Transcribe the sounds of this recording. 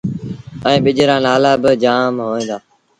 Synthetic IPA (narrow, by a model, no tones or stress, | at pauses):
ə̃ːɓɪʄɾãːnaːlaːbɪd͡ʒaːmɦoːẽːnd̪aː